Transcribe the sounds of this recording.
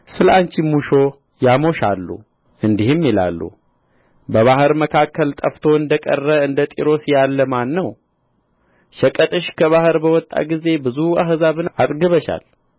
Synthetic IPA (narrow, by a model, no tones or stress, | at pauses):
sɨlʔant͡ʃimuʃo̞ | jamo̞ʃalːṵ | ʔɨnd̪ihɨmːjila̰lːṵ | bəβaɦɨɾməkʰakːəlt̪ʼəft̪ʰo̞ɨnd̪əkʼə̰rːəɨnd̪ət̪ʼḭɾo̞sjalːəmanːəw | ʃəkʼət̪ʼɨʃkʰəβahɨɾbəwɔt̪ʼːa̰ɡize̞bɨzua̰ɦɨzaβɨnat̪ʼɡɨβəʃa̰l